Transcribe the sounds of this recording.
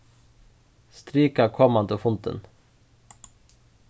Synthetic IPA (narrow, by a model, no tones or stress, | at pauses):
st̪ɾiːkakʰɔmːant̪ɔfʊnt̪ə̰n